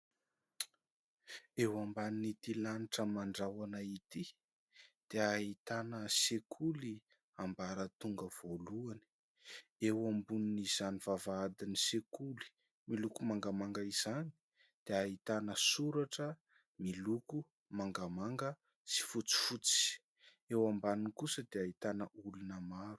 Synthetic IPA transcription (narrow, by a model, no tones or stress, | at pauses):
ewambaninit̪ilaniʈ͡ʂəmaɳɖ͡ʐawanait̪i | d̪̥eaɦit̪anəsekʰuli | ambaɾət̪uŋɡəv̥oluani̥ | ewambuniniz̥anivavaad̪inisekuli̥ | milukumaŋɡamaŋɡəiz̥ani̥i | d̪̥eaɦit̪anəsuɾaʈ͡ʂə | miluku | maŋɡamaŋɡə | si̥fut͡si̥fut͡si̥ | ewambaniŋkusəd̪eait̪anəulunəmaɾu̥